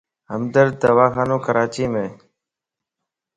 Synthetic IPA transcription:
ɦəmd̪əɾd̪əʋaːxaːnõːkəɾaːt͡ʃiːmẽː

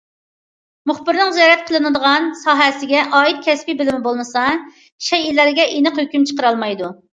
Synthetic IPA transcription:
mʊχbɪɾnɨŋzijɑɾɛt̪̚qʰəlˠɨnɨd̪əʁɑnsɑːɦɛsɪɡʲɛʔɑːit̪̚kʲʰɛspibɪlɪmɪbolˠmɨsɑ | ʃɛjilæɾɡʲɛʔenəqhøkʲymt͡ʃʰə̥qəɾɑlˠmɑjd̪u

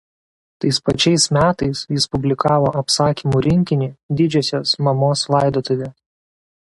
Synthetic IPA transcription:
t̪ɐɪspɐt͡ʃʲɛɪsmʲæːt̪ɐɪsjɪspʊbʲlʲɪkɑːʋoːʔɐpsɑːkʲiːmuːɾʲɪŋʲkʲɪnʲiːd̪ʲɪd͡ʒʲɛsʲoːsmɐmoːslˠɑˑɪd̪oːt̪oʋʲɛ

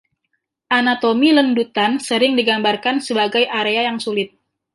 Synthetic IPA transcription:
ʔanat̪omiləndut̪ansəɾɪŋdiɡambarkansəbaɡajʔaɾeajaŋsulɪt̪̚

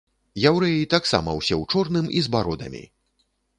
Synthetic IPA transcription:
jawɾɛjit̪aksa̰mɐwsʲɛwt͡ʂɔrnɨmizbaɾɔd̪ɐ̰mʲḭ

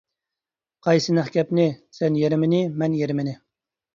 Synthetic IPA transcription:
qʰɑjsɨnæχkʲɛpnɪsɛnjeɾɪmɪnɪmɛnjeɾɪmɪnɪ

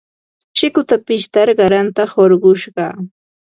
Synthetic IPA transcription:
t͡ʃɪkʊt̪apɪʃt̪aɾɢɑɾant̪ahoɾɢʊʃɢɑ

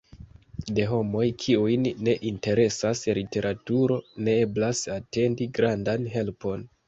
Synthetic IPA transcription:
de̞ɦo̞mo̞jkʰiujnːe̞ʔinte̞ɾe̞saslite̞ɾʔatuɾo̞ne̞eblasate̞ndiɡɾandanɦe̞lpo̞n

